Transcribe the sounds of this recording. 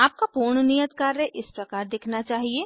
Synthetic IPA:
aːp̚kapuːɾɳnijət̪kaɾːẽʔɪspɾɐkaːɾd̪eːkʰnat͡ʃaːɦieː

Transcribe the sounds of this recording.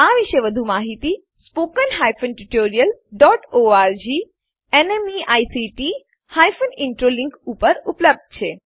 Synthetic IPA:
aʋiʃeʋəd̪ʱumaɦit̪i | spokənɦajfənʈuʈoɾijəlɖɔʈoaɾd͡ʒi | enemiajsiʈi | hajfənɪɳʈɾoliŋkupəɾupləb̚d̪̚t͡ʃʰe

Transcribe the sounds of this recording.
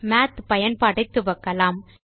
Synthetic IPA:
maːt̪pɐjɐnpɐɽɪt̪ːɯʋɐkːɐlaːm

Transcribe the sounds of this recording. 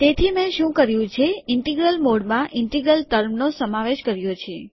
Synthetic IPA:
t̪et̪ʰimẽʃũkəɾjũt͡ʃʰeɪɳʈiɡɾəlmoɽmãʔɪɳʈiɡɾəlt̪əɾmnosəmaʋeʃkəɾjot͡ʃʰe

